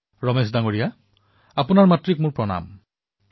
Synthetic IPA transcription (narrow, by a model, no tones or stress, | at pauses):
ɹɔmesdaŋoɹija | apʊnaɹmatɹik̚mʊɹpɹɔna̰m